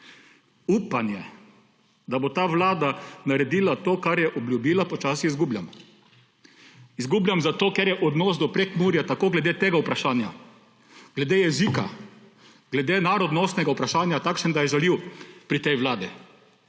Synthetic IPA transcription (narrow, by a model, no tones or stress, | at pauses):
uːpanjɛ | d̪abot̪aːʋlaːd̪anaɾɛd̪iːlat̪oːkaɾjɛʔɔbljubiːlapɔt͡ʃaːsiizɡublja̰m | izɡuːbljamzat̪oːkɛɾjɛʔɔd̪nɔːsd̪ɔpɾekmuːɾjat̪akoːɡlɛd̪eːt̪eːɡaupɾaʃaːnja | ɡ̥lɛd̪ejɛziːka̰ | ɡ̥lɛd̪eːnaɾɔd̪nɔst̪nɛɡaupɾaʃaːnjat̪akʃɛnd̪ajɛʒɛliwpɾit̪ɛjʋlaːd̪i